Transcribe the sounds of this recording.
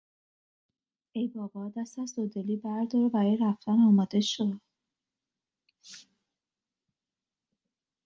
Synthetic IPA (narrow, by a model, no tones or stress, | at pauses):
ejbɒːbɒd̪æst̪æzd̪od̪eliːbæɾd̪ɒɾevæɾejɾæft̪ænɒːmɒːd̪e̞ʃo̞d̪̥